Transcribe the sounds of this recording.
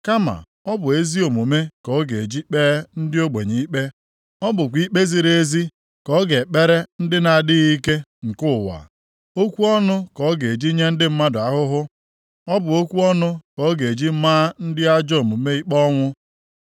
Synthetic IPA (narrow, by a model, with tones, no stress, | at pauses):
ka˦ma̰˨ | ɔ˦bʊ˨e˦zi˦o˨mu˨me˦kɔ˨˦ɡe˨e˨d͡ʒi˦k͡pe˦ɾe˦n̩˦dɪ˦o˦ɡ͡be˨ɲi˨˦i˦k͡pe˦ | ɔ˦bʊ˨kʷi˦k͡pe˦zi˨ɾee˦zi˦ | kɔ˦ɡe˨k͡pe˦ɾe˦n̩˦dɪ˦na˨dɪ˦ɣi˦ke˦ŋ̩˨kʊ˦˨wa̰˨ | o˦kʷu˦ɔ˦nʊ˦kɔ˨˦ɡe˨e˨d͡ʒi˦ɲe˦n̩˦dɪ˦m̩˦ma˦dʊ˨a˨ɦʊ˦ɦʊ˦ | ɔ˦bʊ˨o˦kʷu˦ɔ˦nʊ˦kɔ˨˦ɡe˨e˨d͡ʒi˦maː˦n̩˦dɪ˦a˦d͡ʒɔ˦o˨mu˨me˦i˦k͡pɔ˦ŋʷʊ˦